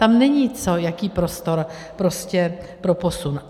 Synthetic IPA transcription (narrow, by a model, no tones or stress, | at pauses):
t̪amnɛɲit͡so̞jakiːpɾo̞st̪o̞ɾ | pɾo̞scɛpɾo̞po̞sun